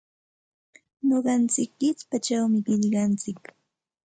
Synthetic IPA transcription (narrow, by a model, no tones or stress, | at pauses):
ɲoɢɑnt͡sɪkːɪt͡spat͡ʃawmɪɢɪʎɢɑnt͡sɪk